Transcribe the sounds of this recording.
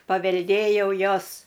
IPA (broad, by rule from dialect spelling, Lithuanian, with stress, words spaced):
pɐʋʲɛlʲˈdʲeːjɛʊ ˈjoːs